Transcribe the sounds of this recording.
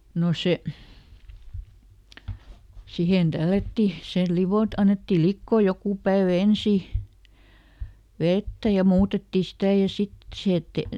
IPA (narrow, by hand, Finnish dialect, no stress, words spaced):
no se sihen d̥ælːætːi sel liʋot ɑnːetːil likːoː jokuˑ pæeʋæ ensiˑ ʋetːæ jɑ muːtetːi sitæˑ jɑ sit sihe etːe